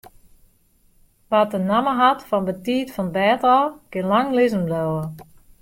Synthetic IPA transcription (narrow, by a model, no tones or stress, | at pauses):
ʋatənaməɦatfɔnbətiːtfɔnbɛːtɔkɪnlaŋlɪzəmlɔwə